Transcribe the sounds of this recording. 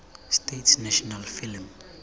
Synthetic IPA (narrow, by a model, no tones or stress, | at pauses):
stetsnaʃɔnalfilm